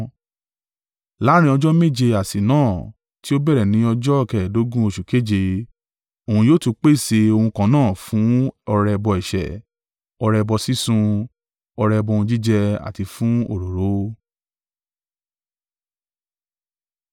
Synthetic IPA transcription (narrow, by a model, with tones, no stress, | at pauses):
la˨˦ɾ̃ĩ˧˦ɔ˧d͡ʒɔ˦me˦˨d͡ʒe˧a˨si˨nãː˦˨ | ti˦o˦bɛ˦˨ɾɛ˨nĩ˨˦ɔ˧d͡ʒɔ˦˨kɛ˨do˨˦ɡũ˦o˧ʃu˨ke˨˦˨d͡ʒe˧ | o˨hũ˧joː˦tu˧k͡pe˦˨se˧o˧hũ˧kã˧˦nãː˦˨fũ˨˦ɔ˧ɾɛ˧bɔ˧i˨ʃɛ̰˨ | ɔ˧ɾɛ˧bɔ˧si˦sũ˧ | ɔ˧ɾɛ˧bɔ˧hũ˧d͡ʒi˦d͡ʒɛ˧a̰˨ti˧fũ˦o˦˨ɾo˨ɾo˨˦